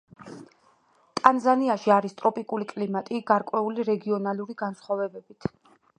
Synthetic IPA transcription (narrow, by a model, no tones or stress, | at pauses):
t̪ʼanzaniaʃiaɾist̪ʼɾɔpʼikʼulikʼlimat̪ʼiɡaɾkʼwɛuliɾɛɡiɔnaluɾiɡansχwavɛbɛbit̪ʰ